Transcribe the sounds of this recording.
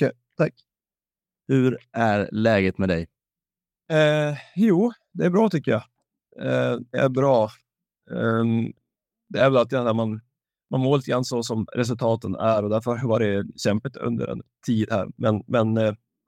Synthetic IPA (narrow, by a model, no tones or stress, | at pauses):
kɛ | t̪ʰak | hɵɾʔæɾlɛːɡət̪mɛd̪ɛj | juː | d̪ɛæɾbɾɑːt̪ʰʏkːəjɑ | d̪ɛʔæ̰ɾbɾɑː | d̪ɛæɾvɛlat̪jɑæːɾman | manmoːɾlit̪əɡɾanːsɔsɔmɾʔɛs̬ɵlt̪ʰɑːt̪ənæɾɔd̪æɾfœɾvaɖɛɕɛmpət̪ɵ̰nd̪ə̰ɾɛ̰nt̪ʰiːd̪hæ̰ːɾmɛnmɛn